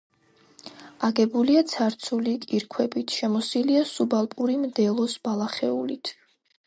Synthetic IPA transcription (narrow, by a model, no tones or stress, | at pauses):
aɡɛbuliat̪sʰaɾt̪sʰulikʼiɾkʰwɛbit̪ʰʃɛmɔsiliasubalˠpʼuɾimd̪ɛlˠɔsb̥alˠaχɛulit̪ʰ